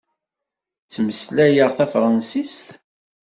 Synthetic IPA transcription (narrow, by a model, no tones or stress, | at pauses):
t͡sːməslæjəʁθæfɾˤɑnsist̪